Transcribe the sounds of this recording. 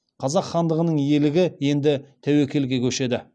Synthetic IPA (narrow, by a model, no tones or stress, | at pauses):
qʰɑzɑqχɑnd̪əʁənəɴjelɪɡʲɪje̞nd̪ɪt̪ʰæwe̞kʲʰe̞lɡʲe̞kʲʰɵʃe̞d̪ɪ